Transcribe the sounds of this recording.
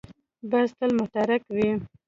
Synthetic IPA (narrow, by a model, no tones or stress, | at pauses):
bast̪əlmʊt̪aɾakwi